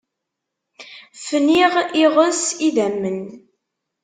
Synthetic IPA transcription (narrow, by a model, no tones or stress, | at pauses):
fniʁiʁəsiðæmːən